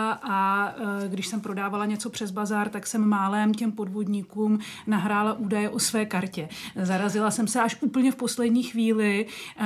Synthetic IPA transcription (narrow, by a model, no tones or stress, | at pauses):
ʔa | ɡdɪʃsɛmpɾo̞daːvalaɲɛt͡so̞pr̥ɛzbazaːɾt̪aksɛmmaːlɛːmcɛmpo̞dvo̞dɲɪkuːmnaɦɾaːlaʔuːdajɛʔo̞svɛːkaɾcɛzaɾazɪlasɛmsɛaʃʔuːpl̩ɲɛfpo̞slɛdɲiːxviːlɪ